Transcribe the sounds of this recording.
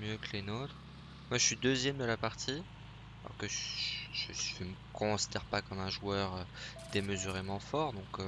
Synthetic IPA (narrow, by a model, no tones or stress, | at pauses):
mjøkəlenot̪χ | mwaʒəsɥid̪øzjɛmd̪əlapaʁt̪ʰi | alɔ̰ʁkəʒʒʒəsʒəməkʰɔ̃si̥d̪ɛʁpakɑmɛ̃ʒwœʁød̪̥eməzyʁemɑ̃fɔʁd̪ɔ̃k